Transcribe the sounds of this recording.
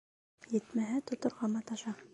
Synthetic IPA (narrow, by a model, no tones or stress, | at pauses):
jɘ̆t̪mæɦɘt̪ŏt̪ŏɾʁɑmɑt̪ɑʃɑ